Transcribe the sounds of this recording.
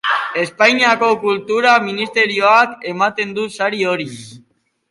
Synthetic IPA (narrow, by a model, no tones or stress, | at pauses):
e̞spajɲiako̞kult̪uɾaminist̪e̞ɾio̞ake̞mat̪e̞nd̪usaɾio̞ɾi